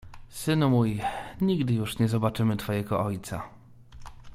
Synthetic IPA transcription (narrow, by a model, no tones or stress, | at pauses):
sɘnmujɲiɡd̪ɘjuʂɲɛzɔbat͡ʂɘmɘt̪fɔjɛɡɔʔɔjt̪sa̰